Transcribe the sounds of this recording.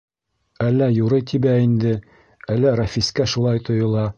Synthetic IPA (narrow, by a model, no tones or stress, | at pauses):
ælːæjuɾɤjt̪ʰibæind̪ɘ | ælːæɾɑfiskæʃulˠɑjt̪ŏjŏlˠɑ